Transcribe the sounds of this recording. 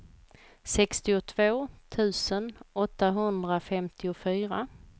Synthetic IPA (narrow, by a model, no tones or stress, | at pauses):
sɛkst̪ɪʊt̪ʰv̥oːt̪ʰʉ̟ːsənɔt̪ːaɦɵnd̪ɾafɛmt̪ʰɪʊfyːɾa